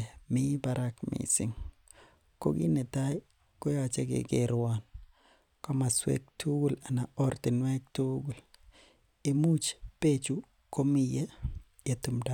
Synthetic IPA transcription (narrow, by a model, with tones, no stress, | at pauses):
mɪ˦ba˨ɾa˦kmḭsɪ̰˦ŋ | ko̰˦ɡi˦ne˨ta˦i˦ | ko˦jat͡ʃɛ˦ɡɪ̰˨ɡɪɾwa˦n | kɔ˦ma˨swḛ˦k̚tu˦ɡu˦la˨na˨ɔ˦rti˨nwɛ˦k̚tuɡu˨l | i˨mu˦t͡ʃpet͡ʃu | ko˦mi˨jɛ˦ | je˨tu˨mda˦